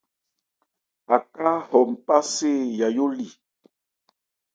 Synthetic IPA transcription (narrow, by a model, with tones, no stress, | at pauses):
a˨ka˦hɔ˨m̩˨pa˦se˦˨ja˨jo˦li˨